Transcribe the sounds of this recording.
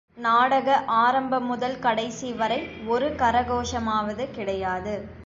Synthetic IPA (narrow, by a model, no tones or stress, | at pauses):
naːɽɐɣɐʔaːɾɐmbɐmːʊðɐlkɐɽɐɪsiʋɐɾɐɪɔɾɯkɐɾɐɣoːʂɐmaːʋɐðɯkɪɽɐjaːðɯ